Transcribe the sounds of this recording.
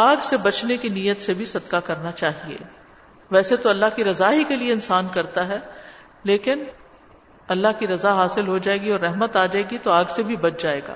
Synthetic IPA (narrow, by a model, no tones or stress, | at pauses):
aːɡsebɐt͡ʃnekiniːjːət̪sebʱisɐd̪kakɐɾnat͡ʃaːɦiḛː | ʋɛːset̪oɐlːaɦkiɾɐzaɦikelieɪnsaːnkɐɾt̪aɦɛː | leːkɪn | ɐlːaɦkiɾɐzaɦaːsɪlɦod͡ʒaːeːɡiɔːɾːɛɦmət̪aːd͡ʒaːeːɡit̪oaːɡsebʱibɐt͡ʃd͡ʒaːeːɡa̰ː